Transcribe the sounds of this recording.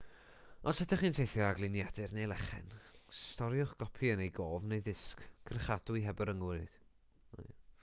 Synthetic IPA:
ɔsɛtʰaχiːntʰejθjɔaɡlˠɪnjad̥ɨrnejlˠɛχɛ̰nstɔɾjʊχɡ̥ɔpʰiənejɡoːvnejðɪskkʰrχadʊiɦɛbɔɾəŋwɨð̥

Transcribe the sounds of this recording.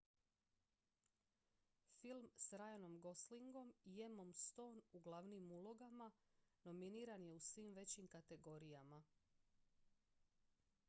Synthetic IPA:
filˠmsɾajano̞mɡo̞sliŋɡo̞mije̞mo̞mst̪o̞ːnuɡlˠaʋnimulˠoɡamano̞miniːɾanje̞usʋiːmʋe̞t͡ɕimkat̪e̞ɡo̞ɾijama

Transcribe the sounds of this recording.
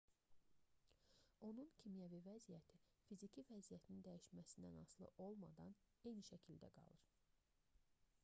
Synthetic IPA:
o̞nuncʰimjævivæzijæt̪ʰi | fizicʰivæzijæt̪ʰnind̪æjiʃmæsind̪æ̰nɑslˠɯ̰ʔo̞lˠmɑ̰d̪ɑn | e̞jniʃæcʰild̪æ̰ɡɑ̰lˠɯɾ

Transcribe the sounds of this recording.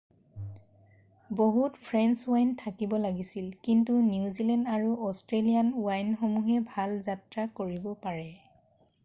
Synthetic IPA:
boɦutpʰɹɛnswajntʰakibɔlaɡisilkintuniuzilɛndaɹuʔɔstɹelijanuwajnxomuɦɛbʱalzatɹakoɹibɔpaɹɛ

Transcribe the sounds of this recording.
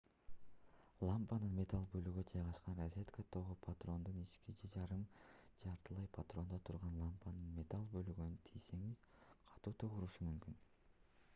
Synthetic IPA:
lˠampanɯnmʲe̞t̪alˠbø̞lyɡød͡ʒɑjʁɑʃqɑnrɐzʲe̞t̪kət̪ʰo̞ʁupʰat̪ro̞nd̪unit͡ʃkid͡ʒe̞d͡ʒɑɾɯmd͡ʒɑɾt̪ɯlˠɑjpʰat̪ro̞nd̪ot̪ʰuɾʁɑnlˠampanɯnmʲe̞t̪alˠbø̞lyɡynyt̪ʰijse̞ŋiz̥qʰɑ̥t̪uːt̪ʰoʁuɾuʃumymkyn

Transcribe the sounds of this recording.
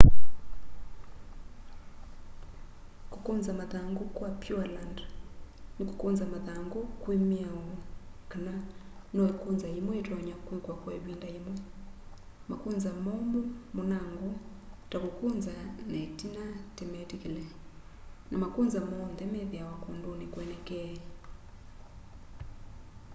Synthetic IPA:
ku̥kunzamaðaŋɡukwapjualand | niku̥kunzamaðaŋɡukwemiawɔkananɔikunzaimwɔitwaɲakwikwakwaiβindaimwɛ | makunzamɔmumɔnaŋɡɔ | takukunzanɛtinatɛmɛtikilɛ | nʔamakunzamɔnd̪ɛmɛðjawakundunikwɛnɛkɛɛ

